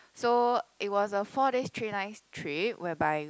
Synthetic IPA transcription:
soʔit̚wɔsəfɔɾestʰɹinaɪstʰɹiwɛbaɪ

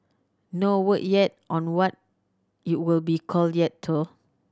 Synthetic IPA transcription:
nowəʔ̚jɛt̚ʔɔ̃nwɔt̚ | it̚wilbikʰɔldjɛtʰːu

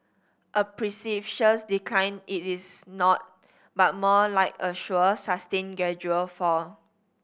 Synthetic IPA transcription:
ʔəpɹisifʃəsdiklãjnitisnɔt̚ | bat̚mɔlaɪkəʃuəsastẽnɡɛd͡ʒuəlfɔ

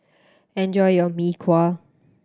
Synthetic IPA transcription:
ɛ̃nd͡ʒɔjjɔmikʰwal

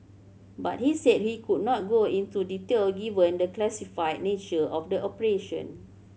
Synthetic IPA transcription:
ba̰t̚hisɛt̚hikud̚nɔt̚ɡoĩntuditelɡivə̃ndəklɛsifajd̚net͡ʃəɔfdəʔɔpəɹeʃə̰̃n

